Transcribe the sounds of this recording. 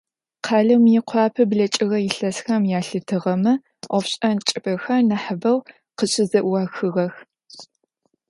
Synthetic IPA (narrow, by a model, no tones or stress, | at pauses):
qʰɑːɮɐmjɪqʷʰɑːpʰɐbɮɐt͡ʃʼɪɣɐjɪɬɐsxɐmjaːɬɨtʰɨʁɐmɨ | ʔʷɔfɕʼɐnt͡ʃʼɪpʰɐxɐnɐħəbɐw | qəɕʼɪzɐʔwɑxɨʁɐx